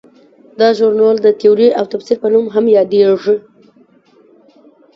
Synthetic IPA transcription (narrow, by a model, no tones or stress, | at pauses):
d̪ɑʒuɾnɑld̪ət̪euɾiawt̪afsilpənumɦamjɑd̪eʐi